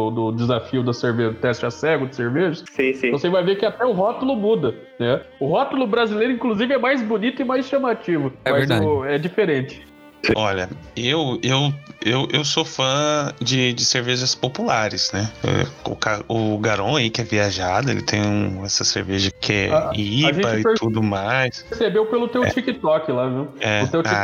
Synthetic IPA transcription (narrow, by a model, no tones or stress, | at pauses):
ʊd̪ʊd͡ʒɪzafiʊd̪ɐseɾveʒɐʊt̪ɛst͡ʃɪasɛɡʊd͡ʒɪseɾveʒɐssĩsĩvosevajvekɪat̪ɛʊɦɔt̪ʊlʊmud̪ɐ | nɛʊɦɔt̪ʊlʊbɾazilejɾʊ̃ĩkluzivɪɛmajzbʊnit̪ʊɪmajsʃɐmat͡ʃivʊɛmɐzãɛd͡ʒifeɾẽt͡ʃɪ̥ | sɔʎɐewewewʔewsofɐ̃d͡ʒɪd͡ʒɪseɾveʒɐspopulaɾɪznɛɛ̰ʊ̰kaʊɡaɾõaikɪɛviaʒad̪ʊḛlɪ̰t̪ʰẽj̃ũɛsɐsḛɾveʒɐkɪɛ̰iʒbẽɐɪpt̪ud̪ʊmajspɾsebewpelʊt̪ewt͡ʃikɪt̪ɔkɪlaviwɛʊewa